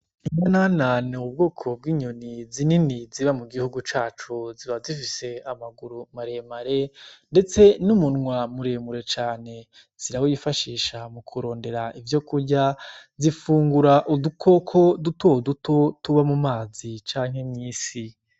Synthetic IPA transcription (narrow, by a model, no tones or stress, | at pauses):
iɲanananeub̚ɡo̞ːkʰo̞b̚ɡiːɲonizininiziβamuɡihuɡut͡ʃaːt͡ʃuziβazifise̞amaɡuɾumaɾe̞maɾe̞nde̞t͡se̞numunŋwamuɾe̞ːmuɾe̞t͡ʃaːne̞ | z̥iɾawojifaʃiːʃamukʰuɾo̞ːnde̞ɾaʔivjo̞kuɾɟazifuːŋɡuɾaʔudukʰo̞kʰo̞dutoduto̞tuβamumaːzit͡ʃaːŋ̥he̞mɲiːsi